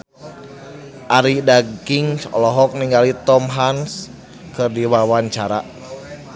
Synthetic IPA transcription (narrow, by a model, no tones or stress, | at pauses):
ʔaɾidaɡiŋsɔ̰lɔɦɔk̚niŋɡalit̪ɔmɦans | kɨrdiwawaɲt͡ʃaɾa